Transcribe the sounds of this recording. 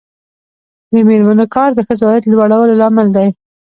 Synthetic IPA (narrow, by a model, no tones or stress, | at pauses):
d̪əmeɾmanokɑɾd̪əxəzwajat̪lwaɽawəlolɑməld̪aj